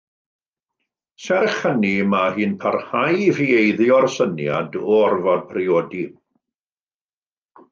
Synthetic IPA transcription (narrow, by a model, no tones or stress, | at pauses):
sɛrχənimahɨːnpʰarhajviejðjɔrsənja̰dɔɔrvɔd̚pʰrɪoːdi